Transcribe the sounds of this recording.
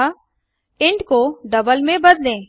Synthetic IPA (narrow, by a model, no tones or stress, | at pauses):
ɪ̃ɳɖkoɖɐbəlmẽbɐd̪lẽː